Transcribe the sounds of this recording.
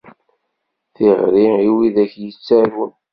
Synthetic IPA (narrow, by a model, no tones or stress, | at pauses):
θiʁɾiiwiðæçjət͡sːæɾwən